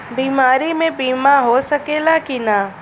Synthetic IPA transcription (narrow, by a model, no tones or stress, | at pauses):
biːmaːɾimẽbiːmaɦosɐkeːlakina